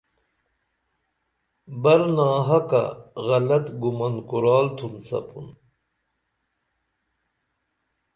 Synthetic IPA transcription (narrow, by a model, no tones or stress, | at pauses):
bɐɾnaːɦɐka̰ɣɐlɐt̪ɡumɐnkuɾaːlt̪ʰunt͡sɐ̰pṵn